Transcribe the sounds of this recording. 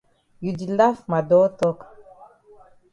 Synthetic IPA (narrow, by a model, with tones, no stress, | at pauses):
ju˨di˨la˦fma˨dɔ˦tɔ˦k